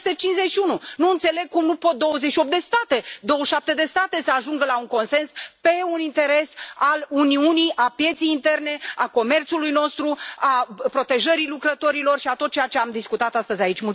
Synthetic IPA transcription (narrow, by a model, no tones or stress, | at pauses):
st̪et͡ʃinzet͡ʃʃiununuɨnt̪se̞le̞ɡ̚kumnupo̞t̪̚d̪o̞wəzeʃio̞p̚t̪d̪e̞st̪at̪e̞d̪o̞wəʃʃap̚t̪e̞d̪e̞st̪at̪e̞səaʒuŋɡəlauŋko̞nse̞nspe̞unint̪e̞ɾe̞saluniunijʔapje̞t̪sejint̪e̞rne̞ako̞me̞rt̪sulujno̞st̪ɾuapɾo̞t̪e̞ʒəɾilukɾət̪o̞ɾilo̞rʃiat̪o̞t̪̚t͡ʃejat͡ʃe̞amd̪iskut̪at̪ast̪əzʲait͡ʃʲmul